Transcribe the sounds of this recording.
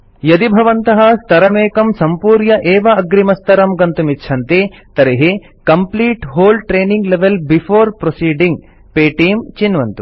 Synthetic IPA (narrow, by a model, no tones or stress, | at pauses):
jɐd̪ibʱɐʋɐnt̪ɐɦɐst̪ʰɐɾɐmeːkɐmsɐmpuːɾjɐʔeːʋɐɐɡɾimɐst̪ʰɐɾɐmɡɐnt̪umit̪ːʃʰɐnt̪eːt̪ɐɾɐɦeː | kɐmpliːʈɦoːlʈɾeːniŋɡleʋelbifʰoːɾpɾosiːɖiŋɡ | peːʈiːmt͡ʃinʋɐnt̪u